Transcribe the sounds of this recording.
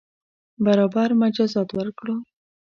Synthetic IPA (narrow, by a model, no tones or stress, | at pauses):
baɾɑbaɾmad͡ʒɑzɑt̪wəɾkɽə